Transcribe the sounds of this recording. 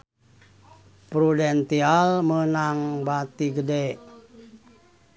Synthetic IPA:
pɾudɛnt̪ialmənaŋbat̪iɡədɛʔ

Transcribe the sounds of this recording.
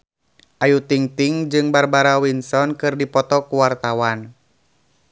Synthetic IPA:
ʔajut̪iŋt̪iŋd͡ʒɨŋbarbaɾawinsɔnkɨrdipɔt̪ɔkuwart̪awan

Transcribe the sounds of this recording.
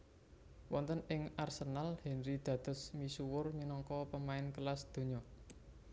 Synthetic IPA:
wɔnt̪ənɪŋarsənalhɛnɾid̪̥ä̤d̪̥ə̤smisuwʊrminɔŋkɔpəmaɪnkəlasd̪̥o̤ɲɔ

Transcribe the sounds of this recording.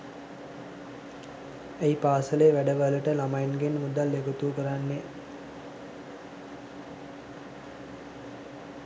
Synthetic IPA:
ejpaːsəleːʋæɖəʋələʈəlamajnɡenmud̪alːeɡot̪uːkəɾanːe

